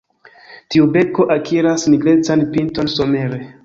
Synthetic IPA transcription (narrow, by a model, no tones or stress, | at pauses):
tiube̞ko̞ʔakʰiɾasniɡle̞t͡sanpinto̞nso̞me̞ɾe̞